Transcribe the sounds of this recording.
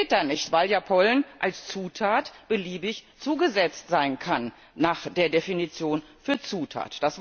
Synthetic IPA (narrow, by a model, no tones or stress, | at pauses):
ɪt̚d̥anɪçtv̥aɪljaːpʰɔlnʔalst͡suːtʰaːtb̥əliːbɪçt͡suːɡəzɛt͡stz̥aɪnkʰanː | aːχd̥eːɐdefinit͡sjoːnfyːɐt͡suːtʰa̰ːtd̥asv